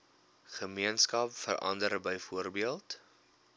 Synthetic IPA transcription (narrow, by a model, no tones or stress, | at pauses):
χəmiənskɐpfə̰rʔɐ̰ndəɾbəjfuərbiəlˠt